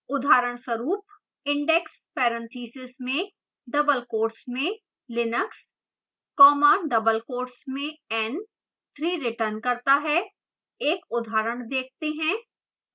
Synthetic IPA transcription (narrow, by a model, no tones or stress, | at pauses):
ʊd̪ʱaːɾəɽ̃səɾuːp | ɪ̃ɳɖɛks | pɛːɾə̃nt̪ʰiːsɪsmẽ | ɖɐbəlkoːɾsmẽ | lɪnəks | kɔːmaːnɖɐbəlkoːɾsmẽɛn | t̪ʰɾiːɾɪʈəɾnkɐɾt̪aɦɛ | eːkʊd̪ʱaːɾəɽ̃d̪eːk̚ʰt̪eɦɛ̃ː